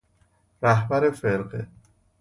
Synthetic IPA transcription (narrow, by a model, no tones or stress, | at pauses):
ɾæɦbæɾefeɾɢe